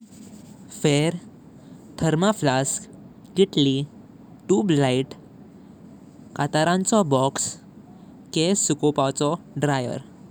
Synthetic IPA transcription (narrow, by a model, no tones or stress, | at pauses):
feɾ | t̪ʰəɾmaflas | kiʈli | ʈuːblaiʈ | kat̪aɾãnt͡sɔbɔks | kesukopat͡sɔ | ɖɾajə̰ɾ